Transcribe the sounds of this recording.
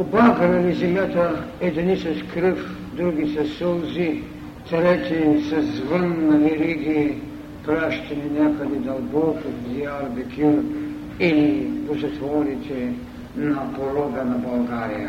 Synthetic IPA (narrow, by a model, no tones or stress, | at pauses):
obaɡɾɛlizɛmjat̪ɐɛd̪inisɛskɾəf | d̪ɾuɡisɛsolˠzi | t̪ɾɛt̪isɐzvənːɐvɛɾiɡi | pɾaʃt̪ɛninakɐd̪id̪ɐlˠbɔkod̪iaɾbɛkʰʲul | ilipozɛt̪vɔɾit̪ʲɛ | nɐpoɾɔɡɐnɐbɐlˠɡaɾijɐ